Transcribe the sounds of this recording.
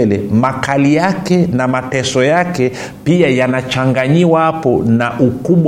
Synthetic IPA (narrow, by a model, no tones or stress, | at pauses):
lɛ̰makalijakɛnamatɛsɔjakɛ | piajanat͡ʃaŋɡaɲiwahapɔnaʔukuɓw